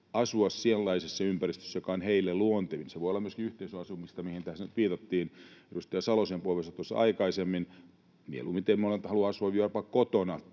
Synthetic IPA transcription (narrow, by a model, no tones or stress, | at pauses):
ɑsuɑssielːɑisesseympærist̪ø̥sːæjokɑonheilːelluont̪eʋinseʋoiolɑmyøskiyht̪eisøɑsumist̪ɑmihint̪æhsenyt̪ʋiːt̪ɑt̪ːiːnedust̪ejɑsɑlosempuolʋesɑt̪uosɑ̰ikɑisemːin | miḛluːmit̪emolent̪hɑluɑɑsuɑʋʋirpɑkkot̪onɑ